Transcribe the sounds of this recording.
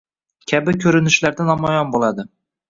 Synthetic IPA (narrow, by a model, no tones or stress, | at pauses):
kʲʰabɪkʲʰɵɾɪnɪʃlaɾd̪anamɒjɒnbolˠad̪ɪ